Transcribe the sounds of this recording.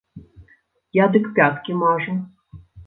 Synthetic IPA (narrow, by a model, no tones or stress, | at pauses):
jad̪ɨkpʲat̪kʲimaʐɨ